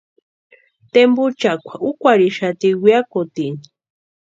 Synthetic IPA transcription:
t̪embut͡ʃakʷʰaukʷaɾiʃat̪iɡwʷijakot̪in

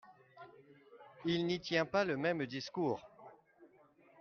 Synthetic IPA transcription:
ilnit̪jɛ̃paləmɛmd̪iskuːʁ

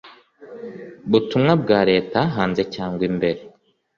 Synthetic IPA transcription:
butumŋab̚ɡaːɾe̞ːtaɦaːnze̞caːŋɡwimbe̞ɾe

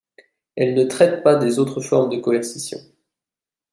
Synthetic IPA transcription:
ɛlnət̪χɛt̪̚pad̪ezot̪χəfɔʁmd̪əkɔɛʁsisjɔ̰̃

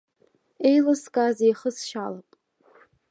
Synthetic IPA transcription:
ejlaskʼazejχəsʃalapʼ

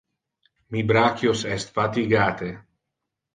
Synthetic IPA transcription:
mibɾakjosɛst̪fat̪iɡaːt̪e

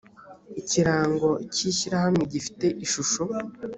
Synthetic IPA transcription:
iciɾaːŋɡo̞ciːɕiɾahamŋeɟifi̥te̞ʔiʃuʃo

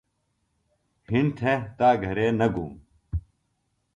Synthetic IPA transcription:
hɪnt̪ʰẽt̪aːɡʱɐɾeːnɐɡʱṵ̃ː

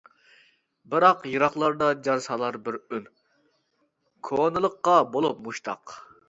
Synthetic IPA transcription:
bɨɾɑqjɨɾɑχlˠɑɾd̪ɑd͡ʒɑɾsɑlˠɑɾbɪɾyn | kʰonɨlˠəqːɑbolˠup̚muʃt̪ʰɑ̰q

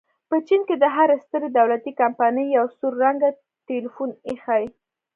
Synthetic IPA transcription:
pət͡ʃinked̪əɦaɾast̪əɾed̪awlat̪ikampɑnəjːawsuɾːaŋɡa | t̪elifunexaj

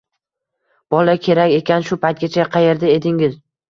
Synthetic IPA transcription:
b̥ɒlakʲʰe̞ɾakʲe̞kʲanʃʊpajt̪̚ɡʲat͡ʃʰaqʰɑje̞ɾd̪ɪe̞d̪ɪŋɪz

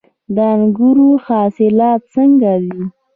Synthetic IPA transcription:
d̪əanɡuɾuxɑsɪlɑt̪̚səŋɡad̪i

